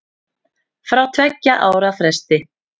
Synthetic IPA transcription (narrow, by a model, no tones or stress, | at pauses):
fɾawt̪ʰvɛcːaʔaːwɾafɾɛst̪ɪ